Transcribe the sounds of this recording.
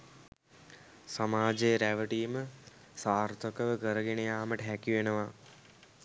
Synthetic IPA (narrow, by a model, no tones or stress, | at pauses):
samaːd͡ʒejɾæʋəʈijmə | saːrt̪ʰəkəʋəɡəɾəɡenejaːməʈəɦækiʋenəʋa